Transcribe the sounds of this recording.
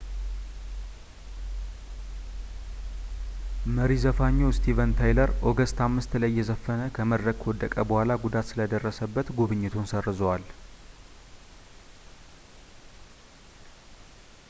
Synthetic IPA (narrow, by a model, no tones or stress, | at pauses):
məɾizəfaɲːost̪ʰivənt̪ʰajləɾʔoɡəst̪ʰamːɨst̪lajːɛzəfːənəkʰəməd̪ɾəkʰːwɔd̪ːəkʼəbəhʷalaɡud̪at̪sɨləd̪ərːəsəbːət̪ɡuβɨɲːɪt̪ʰunsərːɨzowal